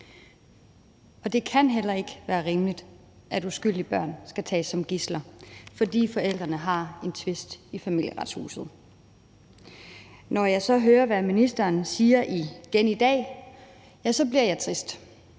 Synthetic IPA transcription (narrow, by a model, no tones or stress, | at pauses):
ɒ̽d̥e̝kʰænɦel̰ɐe̝ɡ̥əʋæːɐʁimlid̥ | ʔædusɡ̥yl̰d̥ib̥ɶɐ̰nsɡ̥æt͡sʰɛ̰ːsɒ̽mɡ̥islɐfɒ̽d̥ḭːfɒ̽el̰d̥ʁɐnəɦɑ̈e̝nt͡sʰʋe̝sd̥ifæmil̰jəʁɑ̈d̥shṵːsð̞̩ˠ | nɒjɑ̈ɪsɒ̽ɦøːɐʋæminisd̥ɐːnsiːɐʔiɡ̥enid̥ɛ̰ː | jæsɒ̽bliɐ̰jɑ̈ɪt͡sʰʁisd̥